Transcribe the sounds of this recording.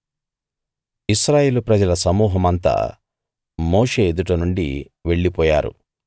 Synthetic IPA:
iʃɾaːje̞ːlupɾɐd͡ʒɐlɐsɐmuːɦɐmɐnt̪a̰ː | moːʂe̞ːd̪uʈɐnuɳɖi | ʋe̞ɭːipɔːja̰ːɾṵ

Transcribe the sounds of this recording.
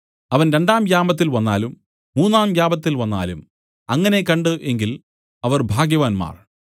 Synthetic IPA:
ɐʋɐnɾe̞ɳɖaːmjaːmɐt̪̬ːilʋɐnːa̰ːlumː | uːnːaːmjaːbɐt̪ːilʋɐnːa̰ːlum | ɐŋːɐne̞kɐɳɖɨʔe̞ŋɡil | ɐʋɐrbʱaːɡjɐʋaːnma̰ːr

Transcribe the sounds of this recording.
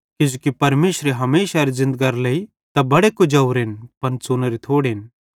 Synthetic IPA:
kɪd͡ʒukipɐɾmeːʃɾeɦɐmeːʃaɾizɪ̃nd̪̚ɡaɾleːi | t̪ɐbɐɽekʊd͡ʒɐuɾnpɐnt͡suːnəɾit̪ʰoːɽɦɪn

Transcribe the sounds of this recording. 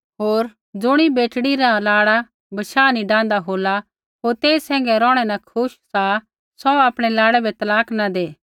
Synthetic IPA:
ɦoːɾ | d͡zʊɽ̃ibeːʈɽiɾalaːɽa | bɐʃaːniɖãːnd̪aɦoːla | ɦoːɾt̪eːsɛ̃ːŋ̆ɡɛɾɔːɽ̃ɛnakʰʊʃsa | sɔaːpɽ̃ɛlaːɽɛbɛt̪ɐlaːknad̪eː

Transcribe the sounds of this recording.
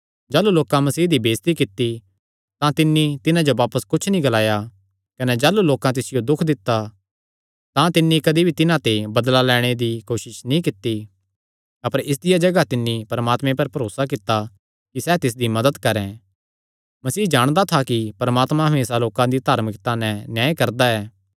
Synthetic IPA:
d͡ʒaːluloːkãmɐsiːɦd̪ibeːst̪ikɪt̪ːi | t̪ãt̪ɪnːit̪ɪnãd͡ʒoʋaːpəskʊt͡ʃʰnĩɡɐlaːja | kɐnɛd͡ʒaːluloːkãt̪̬ɪsɪjod̪ʊkʰd̪ɪt̪ːa | t̪ãt̪ɪnːikɐd̪ibʱit̪ɪnãt̪ebɐd̪lalɛːɽ̃ed̪ikoːʃɪʃnĩkɪt̪ːi | ɐpəɾɪs̬d̪ɪjad͡ʒɐɡat̪ɪnːipɐɾəmaːt̪mẽpɐɾpɐɾoːsak̬ɪt̪ːa | kisɛːt̪ɪs̬d̪imɐd̪əd̪kɐɾɛ̃ | mɐsiːd͡ʒaːɽ̃d̪at̪ʰakipɐɾəmaːt̪mãɦɐmeːsaloːkãd̪id̪ʱaːɾmɪkt̪anɛ̃njaːekɐɾd̪aɛː

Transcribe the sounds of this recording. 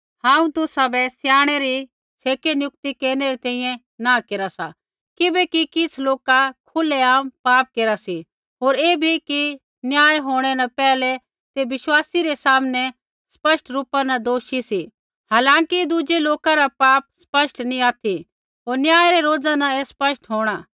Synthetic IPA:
hãːũt̪ʊsabɛsjaːɽ̃ɛɾi | t͡sʰeːkenjʊk̚t̪ikeːɾnɛɾit̪ɛ̃ːĩjɛ̃ | nakeːɾasa̰ | kɪbɛkikɪt͡sʰloːkakʰʊlɛaːmpaːp̚keːɾasi | ɦoːɾeːbʱiki | njaːjɦoːɽ̃ɛnapɛːlɛ | t̪eʋɪʃwaːsiɾɛsaːmnɛ | spɐʃʈʰɾuːpanɐd̪oːʃisi | ɦaːlãːŋkid̪ud͡ʒeloːkaɾapaːp̚spɐʃʈnĩaːt̪ʰi | ɦoːɾnjaːjɾɛɾoːd͡zãnaespɐʃʈɦoːɽ̃a

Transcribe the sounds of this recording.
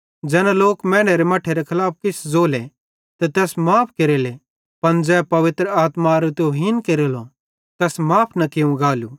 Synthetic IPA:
d͡ʒɛːnãloːkmɛ̃ːɽ̃eɾemɐʈʰːeɾekʰɐlaːp̚ʰkɪsd͡zoːle | t̪t̪ɛːsmaːpʰkeɾele | pɐnd͡zɛːpɐʋɪt̪ɾəaːt̪maɾot̪eoɦɪnkeɾelo | t̪ɛːsmaːpʰnɐkɪũɡaːlu

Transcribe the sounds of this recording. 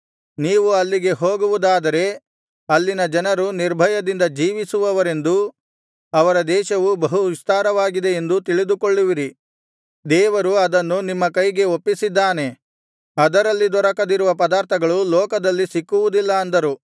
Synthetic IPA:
niːʋuɐlːiɡe̞ɦo̞ːɡuʋud̪aːd̪ɐɾe̞ | ɐlːinɐd͡ʒɐnɐɾuniɾbʱɐjɐd̪ind̪ɐd͡ʒiːʋisuʋɐʋɐɾe̞nd̪u | ɐʋɐɾɐd̪ɛːʃɐʋubɐɦuʋist̪aːɾɐʋaːɡid̪e̞end̪ut̪̬iɭid̪ukoɭːiʋiɾi | d̪ɛːʋɐɾuɐd̪ɐnːunimːɐkɐjɡe̞opːisid̪ːaːne̞ | ɐd̪ɐɾɐlːid̪ɔɾɐkɐd̪iɾuʋɐpɐd̪aːɾt̪ʰɐɡɐɭulɔːkɐd̪ɐlːisikːuʋud̪ilːɐːnd̪ɐɾu

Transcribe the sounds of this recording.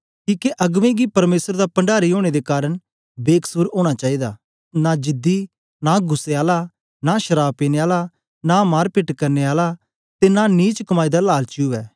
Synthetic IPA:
kiːkeʔɐɡʋẽɡipɐɾmeːsəɾd̪apɐ̃ɳɖaːɾioːɽ̃ed̪ekaːɾəɽ̃ | beːkʰsuɾoːɽ̃at͡ʃaːid̪aː | nad͡ʒɪd̪i | naɡʱʊsːeaːla | naʃɐɾaːbpeːneaːla | namaːɾpɪʈkɐɾneaːla | t̪enaniːt͡ʃkɐmaːid̪alaːlt͡ʃuɛː

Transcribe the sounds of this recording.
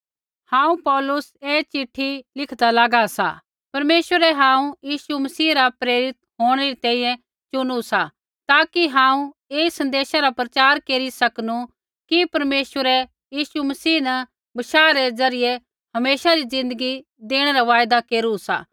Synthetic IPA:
hãːũpɔːlʊseːt͡ʃɪʈʰːilɪkʰd̪alaːɡasa̰ | pɐɾmeːswəɾɛɦãːũjiːsumɐsiːɾapɾeːɾɪt̪̚ɦoːɽ̃eɾit̪ɛ̃ːĩjɛ̃ | t͡ʃʊnusa | t̪aːkiɦãːũ | eːsɐ̃nd̪eːʃaɾapɾɐt͡ʃaːɾkeːɾisɐknu | kipɐɾmeːʃwəɾɛ | jiːsumɐsiːnɐ | bɐʃaːɾɛzɐɾɪje | hɐmeːʃaɾizɪ̃nd̪əɡi | d̪eːɽ̃ɛɾaʋaːjd̪akeːɾusa̰ː

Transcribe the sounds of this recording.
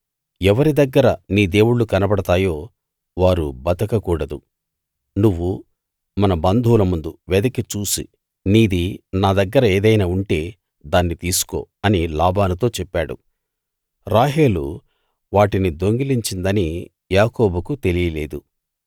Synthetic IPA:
ɛʋɐɾid̪ɐɡːɐɾɐniːd̪e̞ːwuɭukɐnɐbɐɽɐt̪aːjo̞ː | ʋaːɾubɐt̪ɐkɐkuːɽɐd̪u | nuʋːu | mɐnɐbɐnd̪ʱuːlɐmund̪uʋɛd̪ɐkit͡ʃuːsḭ | niːd̪inaːd̪ɐɡːɐɾɐeːd̪ɐjnaːuɳʈe̞ː | d̪aːnːit̪iːsu̥ko̞̰ːɐnilaːbaːnut̪o̞ːt͡ʃɛpːaːɽṵ | ɾaːɦe̞ːlṵ | ʋaːʈinid̪o̞ŋɡiliɲt͡ʃind̪ɐni | jaːkoːbukut̪e̞lijɐle̞̰ːd̪u

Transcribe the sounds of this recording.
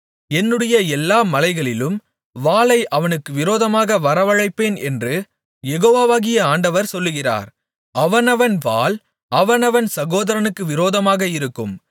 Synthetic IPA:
ɛnːɯɽɐjɐɛlːaːmɐlɐɪɣɐɭɪlɯm | ʋaːlɐɪʔɐʋɐnɯkːɯʋɪɾoːðɐmaːɣɐʋɐɾɐʋɐɻɐɪpːeːnɛ̰ndrɯ | jɛɣoːʋaːʋaːɣɪjɐaːɳɖɐʋɐɾsɔlːɯɣɪra̰ːɾ | ɐʋɐnɐʋɐnʋaːl | ɐʋɐnɐʋɐnsɐɣoːðɐɾɐnɯkːɯʋɪɾoːðɐmaːɣɐɪɾɯkːɯ̰m

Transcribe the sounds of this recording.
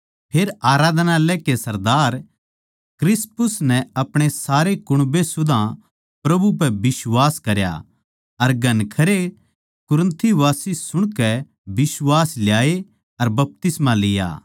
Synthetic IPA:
pʰeːɾaːɾaːd̪nalɛkesɐɾd̪aːɾ | kɾɪspʊsnɛɐpɽ̃esaːɾekʊɽ̃besʊd̪ʱã | pɾɐbup̬ɛbɪswaːskɐɾja̰ | ɐɾɡʱɐnkʰɐɾe | kʊɾə̃nt̪ʰiʋaːsisʊɽ̃kɛ | bɪswaːsljaːe | ɐɾbɐp̚t̪ɪsmãlɪja̰ː

